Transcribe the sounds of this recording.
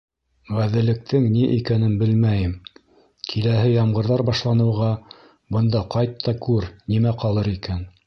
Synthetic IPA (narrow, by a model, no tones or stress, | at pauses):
ʁæðɘ̆lɘ̆k̚t̪ʰɘŋniʔikænɘnbɘlmæjɘm | kʰilæɦɘjɑmʁɤ̆ɾðɑɾbɑʃlˠɑnɤ̆wʁɑ | bɤ̆nd̪ɑqɑjt̪ʰːɑkʉɾnimæqɑlˠɤɾikæn